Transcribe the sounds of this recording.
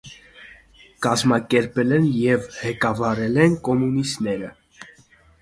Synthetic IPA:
kɑzmɑkɛɾpɛlɛnjɛvhɛkɑvɑɾɛlɛnkɔmunist̪nɛɾə

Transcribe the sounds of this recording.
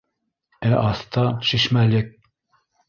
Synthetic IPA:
ɛʔɑst̪ɑʃiʃmælek̚

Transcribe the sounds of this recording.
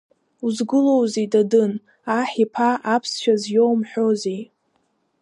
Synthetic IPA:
uzɡɨlo̞wzedadɨn | aħipʰaʔapʰsʃᶣazjo̞wmħʷᶣozej

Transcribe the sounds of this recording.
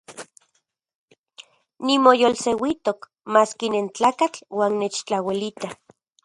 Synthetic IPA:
nimojolsewit̪ok | maːskinent͡ɬaːkat͡ɬwaːnːet͡ʃt͡ɬawilit̪a

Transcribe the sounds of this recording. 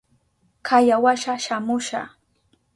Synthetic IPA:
kʰajawaʃaʃamʊʃa̰

